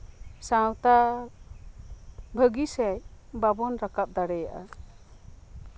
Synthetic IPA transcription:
sãwt̪a | bʱəɡisɛjbabɔnɾakap̚d̪aɽɛjaʔa̰

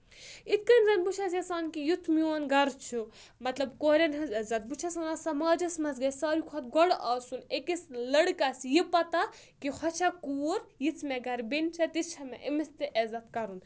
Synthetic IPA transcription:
it̪̚kɐnɾɐnbut͡ʃʰasɐsaːnkijut̪ʰmionɡɐɾt͡ʃʰu | mɐt̪lɐbkoːɾʲɐnɦɐzɐzɐt̪̚but͡ʃʰasɐnasɐmaːd͡ʒɐsmɐsɡɐsaːɾikʰɔt̪̚ɡɔɽaːsunekislɐɽkasjipɐt̪a | kihʰɐt͡ʃʰakuːɾjit͡sʰmɛɡɐɾbint͡ʃʰɐt̪it͡ʃʰɐmeʔimist̪eʔezɐt̪kɐɾun

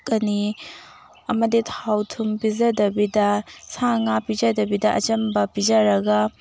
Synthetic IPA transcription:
kɐni | ɐmɐditʰawtʰumpizɐdɐbidɐsaŋapid͡ʒɐdɐbidɐʔɐ̰t͡ʃɐmbɐpid͡ʒɐɾɐɡɐ

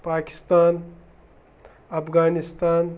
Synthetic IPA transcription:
paːki̥st̪aːn | ɐpʰɡaːnist̪aːn

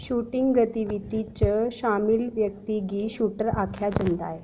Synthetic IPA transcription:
ɕuʈiŋɡɡət̪iʋit̪it͡ɕəɕamilʋjək̚t̪iɡiɕuʈəɾakʰjad͡ʑənd̪a̰e

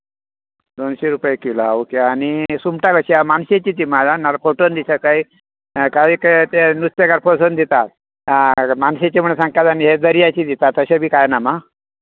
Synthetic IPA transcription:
d̪onɕeɾupəjekilaukeanisumʈakəɕiamanɕet͡ɕiːt̪̬iːmad͡zanalafoʈond̪isakai | kaiːkat̪enust̪ekaɾposənd̪it̪at̪̚ | manset͡ɕim̤əɳesãŋɡ̚k̪at̪aniɦed̪əɾijat͡ɕiːd̪it̪at̪ːəɕabʱiːkajnama

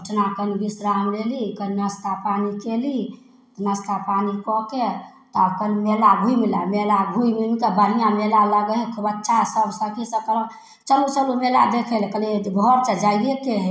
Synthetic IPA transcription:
uʈʰnakənibisɾamlelikənnəst̪apanikeli | t̪nəst̪apanikɔke | t̪ɔkənmelabʱuimila̰melabʱuimilmkəbənijamelaləɡəɦɛkʰbətːʃʰasəbsəkʰisəkəlɔ | t͡ʃəlut͡ʃəlumela̰d̪ekʰelkəlebʱɔɾt͡ʃəd͡ʒajdekeɦ

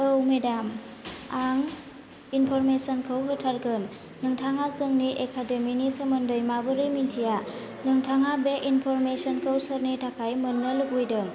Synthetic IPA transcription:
əwmedam | aŋ | inpʰɔɾmesənkʰəwɦɯtʰaɾɡɯnː | ɯŋtʰaŋasɯŋniʔekʰademinisɯmɯndɯjmabɯɾimintʰija | nɯŋtʰaŋabeʔinpʰɔɾmesɔnkʰəwsɯɾnitʰakʰajmɯnːɯlɯɡujdɯŋ

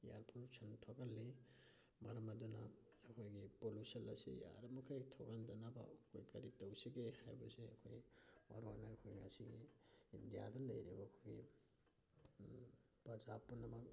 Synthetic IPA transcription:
jaɾpʰolusɐntʰoɡalːi | mɐɾɐmɐdunɐː | kʰojɡipolusɐlɐsḭja̰ɾɐmukʰajtʰoɡandɐnabɐ̰ɐkʰojkɐɾitɐwsiɡehajbɐseɐ̰kʰojmɐ̰ɾua̰naɐkʰojŋasiɡiindijadɐnlɐjɾibɐːkʰojɡi | pɐɾzapːunɐmɐk̚

